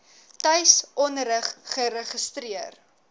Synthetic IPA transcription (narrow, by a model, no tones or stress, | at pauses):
tɐjsʔɔnrəχχəɾəχəstɾiər